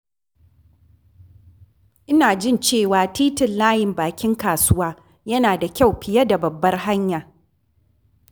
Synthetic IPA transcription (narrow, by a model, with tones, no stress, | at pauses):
ʔɪ˦naː˨d͡ʒɪ˦˨nt͡ʃeː˦˨waː˨tiː˦tɪ˨nlaː˦jɪ˨mbaː˨kʲɪ˦ŋkaː˨sʊ˦waː˦ | jɐ˦naː˨da˨kʲa˦˨wɸɪ˨jɐ˦da˨bɐ˨bːɐ˦rɦa˦ɲjaː˨